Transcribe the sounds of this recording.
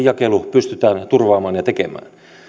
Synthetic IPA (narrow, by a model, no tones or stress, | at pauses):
jɑkelupyst̪yt̪æːnt̪urʋɑːmɑːnjɑt̪ekemæ̰ːn